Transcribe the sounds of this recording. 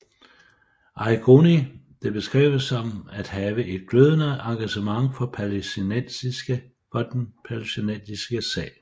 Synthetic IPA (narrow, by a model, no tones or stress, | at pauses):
ʔɑ̈ɪɡ̥ʰonid̥e̝b̥e̝sɡ̥ʁɛ̰ʊ̰əsɒ̽mæd̥hɛːʋəʔe̝d̥̚ɡ̥løðˠənəʔɑ̈ŋɡ̥æɕəmɑ̈ŋfɒ̽pʰælesineiɡ̥ə | fɒ̽d̥enpʰælesinend̥isɡ̥əsɛ̰ːɪ